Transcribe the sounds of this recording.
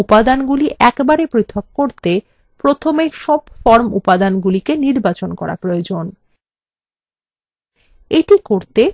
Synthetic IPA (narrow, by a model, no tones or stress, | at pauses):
upad̪anɡuliʔɛkbaɾepɾit̪ʰːokːoɾt̪e | pɾot̪ʰomeʃɔbfɔɾmṵpad̪anɡulikeniɾbat͡ɕonkɔɾa̰pɾood͡ʑon | eʈikoɾt̪e